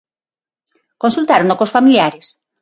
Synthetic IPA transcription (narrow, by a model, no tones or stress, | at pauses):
kõnsult̪aɾonokosfamiljaɾes